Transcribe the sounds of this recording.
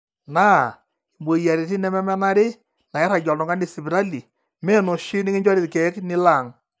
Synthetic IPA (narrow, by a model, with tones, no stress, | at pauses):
naː˦ | i˨bo˨ja˨ɾe˨ti˦nɛ˦mɛ˦mɛ˦na˦ɾɪ˦ | na˨jɛ˦ɾa˨d͡ʒɔ˨lnɔ˨ŋɡa˦nɪ˦si˨bɾa˦li˨ | mɛ˦˨no˨ʃi˦nɪ˦ŋɪ˦ɲd͡ʒɔ˦ɾɪ˨tkɛ˨˦knɪ˦la˨ŋ